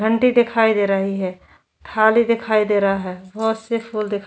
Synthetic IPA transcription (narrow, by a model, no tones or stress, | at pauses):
ɡʱə̃ɳʈid̪ɪkʰaːid̪eːɾəɦiɦɛː | ʈʰaːlid̪ɪkʰaːid̪eːɾaaɦɛːbɔt̪sepʰuːld̪ɪkʰ